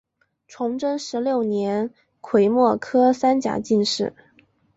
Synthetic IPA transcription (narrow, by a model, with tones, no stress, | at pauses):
ʈ͡ʂʰʊ˧˥ŋʈ͡ʂə˥nʂɻ̩˧˥ljo˥˩ʊnjɛ˧˥n | kʰwe˨˩ɪmwɔ˥˩kʰɤ˥sa˥nt͡ɕja̰˨˩˥t͡ɕi˥˧nʂɻ̩˥˩